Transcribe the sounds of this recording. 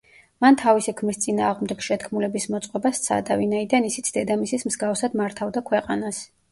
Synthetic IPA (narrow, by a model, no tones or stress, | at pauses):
mant̪ʰavisikʰmist̪sʼinaːʁmd̪ɛɡ̥ʃɛt̪kʰmulɛbismɔt̪sʼqʼɔbast̪sʰa̰d̪avinaid̪anisit̪sʰd̪ɛd̪amisismzɡafsad̪maɾt̪ʰavd̪akʰwɛqʼanas